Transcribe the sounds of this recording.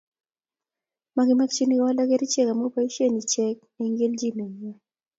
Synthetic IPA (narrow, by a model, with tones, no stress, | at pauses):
ma˨ɡi˨ma˦kt͡ʃi˦ni˦kwa˦la˦kɛ˦ɾi˦t͡ʃɛ˦ka˨mo˦pa˦i˦ʃe˦ni˨t͡ʃɛ˦k̚ɛ˨ŋɡe˦ld͡ʒi˦nɛ˨ɲɛ˦˨